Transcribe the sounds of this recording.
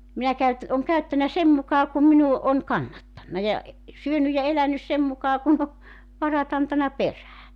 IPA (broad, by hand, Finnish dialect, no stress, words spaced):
minæ kæyt oŋ kæytːænæ sem mukɑː kum minu on kɑnːɑtːɑnːɑ jɑ e syønyj jɑ elænys sem mukɑː kun o ʋɑrɑt ɑntɑnɑ peræː